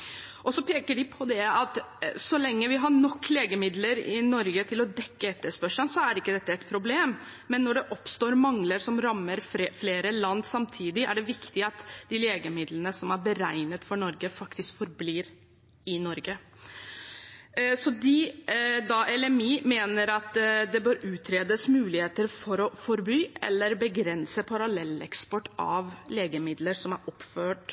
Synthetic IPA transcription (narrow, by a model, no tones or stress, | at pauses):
ʔɔsɔpʰeːkəɖɪpʰɔd̪ɛɑt̪sɔlɛŋːəʋɪɦɑɳɔkːleːɡəmɪd̪ləɾɪ̰nɔɾɡət̪ʰɪlɔd̪ɛkːəɛt̪ːəʂpœʂənsɔæɾɪkːəd̪ɛt̪ːəɛt̪pʰɾʊbleːmmɛnːɔɖɛʔɔpst̪oːɾmɑŋləɾsɔmɾɑmːəɾffleːɾəlɑnd̪sɑmt̪ʰiːd̪ɪʔæɖɛʋɪkt̪ɪɑt̪d̪̥ɪleːɡəmɪd̪lənəsɔmæɾbəɾæɪnət̪fɔɳɔɾɡəfɑkt̪ɪskfɔɾbliːɾ | ɪnɔɾɡə | sɔd̪ɪd̪ɑʔɛlɛmiːmeːnəɾɑt̪d̪ɛbøːɾʉːt̪ʰɾeːd̪əsmʉːlɪheːt̪əɾfɔɾɔfɔɾbyːʔɛ̰lːəɾbəɡɾɛnsəpʰɑɾɑlɛlːɛ̰kspɔʈːɑʋleːɡəmɪd̪ləɾsɔmæɾʔɔpːføːʈ